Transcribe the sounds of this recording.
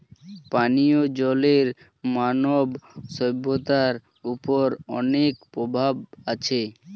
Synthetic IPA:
panijod͡ʑɔleɾ | manobsɔbːot̪aɾ | upoɾɔnekpɾobʱabat͡ɕʰe

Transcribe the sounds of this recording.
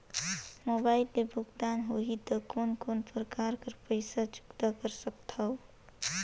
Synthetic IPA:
mobailt̪ebʱuɡd̪anɦoɦit̪əkonkonpɾəkaɾkəɾpəɪsad͡ʒʊ̥kd̪akəɾsəkt̪ʰəʊ

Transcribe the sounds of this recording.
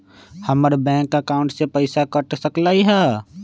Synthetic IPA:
həməɾbɛ̃ːkəkaʊ̃ɳʈsepəɪsakəʈsəklaːiɦɛː

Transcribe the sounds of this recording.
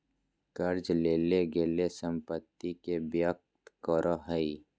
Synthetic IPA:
kəɾd͡ʒleːleɡeːlesə̃mpət̪ːikebjək̚t̪kɔɾʔoɦəi

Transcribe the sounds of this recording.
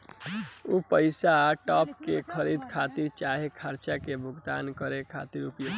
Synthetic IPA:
upəɪsaʈɔpkekʰəɾid̪kʰat̪iɾt͡ʃaɦekʰəɾt͡ʃakebʱʊɡd̪a̰nkəɾekʰa̰t̪iɾupjo

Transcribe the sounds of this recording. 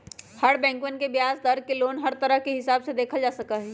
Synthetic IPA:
hɐɽbɛ̃ːŋkwənkebjaːzd̪ɐɾkeloːnɦɐɾt̪ɐɾəɦkeɦɪsaːbsed̪eːkʰad͡ʒaːsɐkaɦɛː

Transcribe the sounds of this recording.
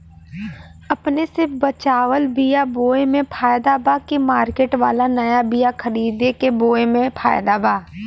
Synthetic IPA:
ɐpnesɪpʰbət͡ʃaːwəlbijaboːemẽpʰaːjd̪abaːkemaːɾkeːʈʋaːlanɐjabijakʰəɾiːd̪ekeboːemẽpʰa̰ːjd̪abaː

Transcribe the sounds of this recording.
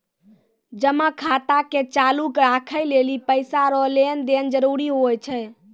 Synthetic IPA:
d͡ʒəməkʰat̪aket͡ʃalukɾakʰəjlelipəjsaɾɔlend̪end͡ʒəɾuɾiɦojt͡ʃʰɛ

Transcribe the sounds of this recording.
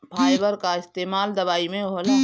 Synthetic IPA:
pʰaːjbəɾkaɪst̪eːmaːld̪ɐʋaːimẽola

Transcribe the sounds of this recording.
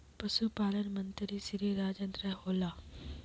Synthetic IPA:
pɐsupaːlənmənt̪ɾisiɾiɾaːd͡ʒɐnd̪ɾɐhoːlaː

